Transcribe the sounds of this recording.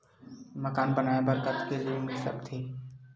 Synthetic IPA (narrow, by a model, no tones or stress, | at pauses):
məkaːnbənaːebɐɾkət̪keliemɪsɐ̰b̚t̪ʰeː